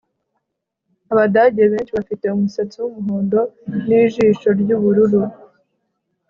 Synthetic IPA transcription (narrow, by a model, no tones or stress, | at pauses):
aβadaɟeβe̞ːnʃiβafite̞umusat͡siwumuɦoːndo̞niːʒiːʃo̞ɾɟuːβuɾuɾu